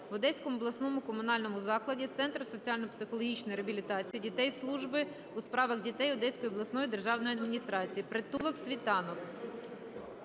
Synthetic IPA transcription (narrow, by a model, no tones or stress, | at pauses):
ʋʊd̪ɛsʲkɔmɔblˠɐsnɔmʊkɔmʊnɑlʲnɔmʊzɑklˠɐdʲit̪sɛnt̪rsɔt͡sʲiɑlʲnɔpsɪxɔlˠɔɦʲit͡ʃnɔjɾeɐbʲilʲit̪ɑt͡sʲijidʲit̪ɛjslˠuʒbɪ | uspɾɑʋɐɣdʲit̪ɛjɔd̪ɛsʲkɔjɔblˠɐsnɔjid̪erʒɑwnɔjiɐd̪mʲinʲist̪ɾɑt͡sʲijipɾɪt̪ulˠɔksʲʋʲit̪ɑnɔk